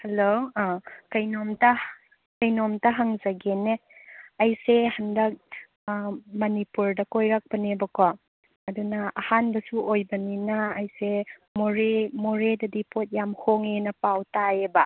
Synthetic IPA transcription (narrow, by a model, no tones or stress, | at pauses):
helo | kɐjnomtɐ | kɐjnomtɐɦaŋzɐɡeneɐjsehɐndɐk̚ | mɐnipuɾdɐkojɾak̚bɐnebɐkɔ | ɐdunɐɐhanbɐsuʔojbɐninɐːjsemoɾemoɾedɐdipʰot̚jamhoŋenɐpawtaebɐ